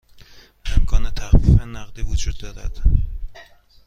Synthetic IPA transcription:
emkʰɒːnet̪ʰæxfifenæɣd̪iːvod͡ʒuːd̪̚ːɒːɾæ̰d̪̥

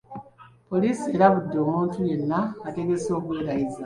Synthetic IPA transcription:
po̞lisie̞ɾaβudːomuːntuje̞nːaːte̞ɡe̞so̞ːβweːɾaiza

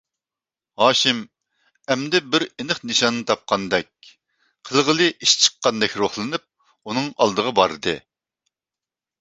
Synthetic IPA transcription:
hɑːʃɪm | ɛmd̪ɪbɪɾenɨχnɨʃɑnːɨt̪ʰɑp̚qʰɑnd̪ɛk̚ʲ | qʰəlˠʁəlˠɨʔiʃt͡ʃʰə̥qːɑnd̪ɛkʲɾoχlˠɨnɨp̚ | unɨŋɑ̰lˠd̪əʁɑbɑɾɨd̪ɨ

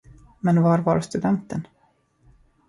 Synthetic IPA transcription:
mɛnvɑɾva̰ɾst̪ɵd̪ɛnt̪ən

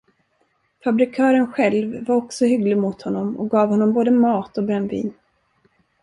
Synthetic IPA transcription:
fabɾɪkʰœːɾənɧɛlvːaɾɔksɔhʏɡlɪɡmʊt̪hɔnːɔmɔ̰k̚ɡɑːvhɔnːɔmboːd̪əmɑːt̪ɔbɾɛnːvḭːn

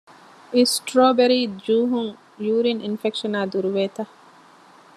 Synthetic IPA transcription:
isʈɾoːbeɾid͡ʒuːɦuŋ | juːɾinʔinfekʃɔnaːd̪uɾuʋeːt̪a

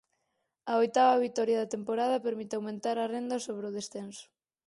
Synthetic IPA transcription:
ɐojt̪aβɐβ̞it̪ɔɾjaðɐt̪empoɾað̞ɐpeɾmit̪ɪawmẽnt̪aɾɐrend̪ɐsoβɾɪoðesθensʊ̥

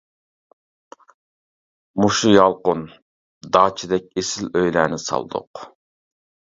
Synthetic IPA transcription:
muʃujɑlˠqʊn | d̪ɑːt͡ʃʰid̪ɛk̚ʲesɪløjlæːnɪsɑ̰lˠd̪ʊ̰q

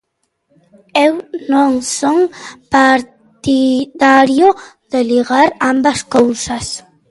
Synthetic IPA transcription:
ewnõŋsoŋpaɾ | t̪iðaɾjo | ðeliɣaɾambaskowsas

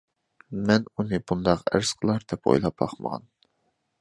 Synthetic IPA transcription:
mɛnunɨbund̪ɑqæ̰ɾsqʰəlˠɑɾd̪ɛpo̰jlˠɑp̚bɑ̰χmə̰ʁɑ̰n

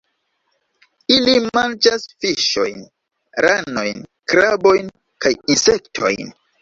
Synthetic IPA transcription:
ilimand͡ʒasfiʃo̞̰jn | ɾano̞jn | kɾabo̞jn | kajinse̞ktʰo̞̰jn

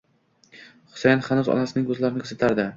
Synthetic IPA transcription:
χʊ̥sajanχanuzɒ̰nasɪnɪŋkʰɵzlaɾɪnɪkʰɵzɪt̪ʰaɾd̪ɪ

